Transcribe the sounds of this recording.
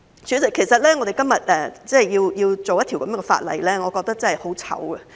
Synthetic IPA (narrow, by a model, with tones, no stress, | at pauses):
syː˨˥nt͡sɪ˨kʰːe˨˩jsɐ˨t̚lɛː˥ŋɔ˨˧ɾe˨jkɐ˥mjɐ˨t̚ʔɛ˨t͡sɛː˥˩jjiː˧wjiː˧wt͡so˨wjɐ˥t̪ʰi˨˩wkɐ˨˦m˦˥kɛ˧fa̰ː˧t̚lɐ̰˨jlɛː˥ŋɔː˨˧kɔː˧k̚t̪ɐ˥k̚t͡sɐ˥hɐ˨jho˨˥wt͡sʰɐ̰˨˥wɡɛ˧